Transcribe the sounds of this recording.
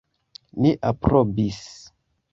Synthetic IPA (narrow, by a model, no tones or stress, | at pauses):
niʔapɾobis